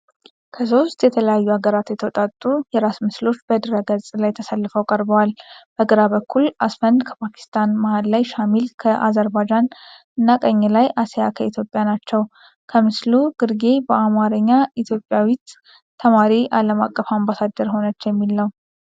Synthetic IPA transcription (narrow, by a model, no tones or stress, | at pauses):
kʰəso̞st̪jɛt̪ʰələjajːuaɡəɾat̪jɛt̪ʰəwt̪ʼat̪ʼːujɛɾasmɨslo̞t͡ʃːbəd̪ɨɾəɡəsʼlajt̪ʰəsalːɨfəwkʼəɾbəwalb̥əɡɨɾaβəkːulʔasfənd̪kʰəpʰakʰi̥st̪ʰanmahad̪lajʃamilkʰəʔazəɾbad͡ʒan | ɨnːakʼəɲːlajasejakʰəit̪ʰjo̞pʼːjanat͡ʃːɛw | kʰəmɨsluɡ̥ɨɾɡe̞bəamaɾəɲːait̪ʰjo̞pʼːjawit̪ | t̪ʰəmaɾiʔaləma̰kʼːəfambasad̪ːəɾho̞nət͡ʃːjɛmːilːəw